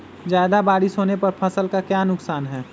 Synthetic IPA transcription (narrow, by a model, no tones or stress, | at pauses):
zjaːd̪abaːɽisoːnepɐɾpʰɐsəlkakjaːnʊksaːnɦɛː